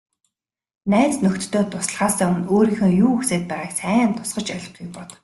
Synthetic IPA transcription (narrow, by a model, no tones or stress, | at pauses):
næːt͡snɵkt̪ːoːt̪ʰʊs̆ɮʁaːsæːɵnoːɾiːxɘ̆ːjuːxseːt̪̚pæːʁaːksæːnt̪ʰʊ̥sɢɞ̆t͡ɕœɮ̆ʲχɡukpɔt̪